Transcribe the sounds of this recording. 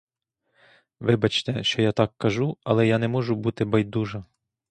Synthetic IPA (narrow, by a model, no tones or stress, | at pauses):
ʋɪbɐt͡ʃt̪ɛʃt͡ʃɔjat̪ɑkːɐʒuɐlˠɛjanɛmɔʒʊbut̪ɪbɐjd̪uʒɐ